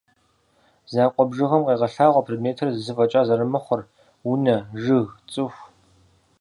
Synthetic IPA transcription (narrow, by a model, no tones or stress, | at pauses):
zaːqʷʼɔbʐɨʁɐmqeːʁɐɬaːʁʷɔpʰredmeːtʰɨrzɨzɨfʼɐt͡ʃʼaːzɐɾɨmɨχʷɔr | wunɐʐɨɣt͡sʼɨxʷ